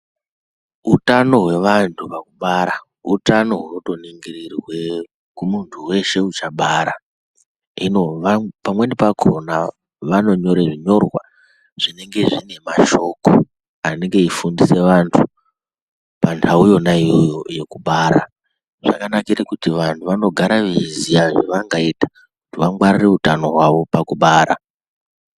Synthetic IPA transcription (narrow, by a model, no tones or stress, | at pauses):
utano̞ɦwe̞ʋantʰupakuɓaɾa | utano̞ɦwroto̞neŋɡiririrwe̞ | kumuntʰuwe̞ʃe̞ut͡ʃaɓaɾa | inoapamwe̞nepaɡʰʱo̞na | ʋano̞ɲo̞ɾeʐiɲo̞rwa̰ | ʐ̥ine̞ŋɡe̞ʐine̞maʃo̞ko | ane̞ŋɡe̞ifundise̞ʋantʰu | pantʰaujo̞naijjojoje̞kuɓaːɾa̰ | ʐ̥a̰kanakirekutiʋantʰuʋano̞ɡʱaɾaʋizijaʐeʋaŋɡaitḁ | kutiʋaŋɡwarire̞utano̞ɦwaʋo̞pakuɓaːɾa